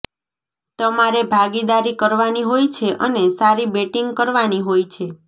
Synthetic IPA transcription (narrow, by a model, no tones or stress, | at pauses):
t̪əmaɾebʱaɡid̪aɾikəɾʋaniɦojt͡ʃʰeʔənesaɾibeʈiŋɡkəɾʋaniɦojt͡ʃʰe